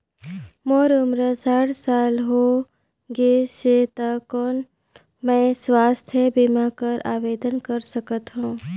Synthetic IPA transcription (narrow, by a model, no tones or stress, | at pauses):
moːɾʊmɾəsaːɽsaːlɦo | ɡeset̪akɔːn | mɛ̃ːswaːst̪ʰjəbimakəɾʔa̰ːʋeːd̪ənkəɾsəkət̪ɦũː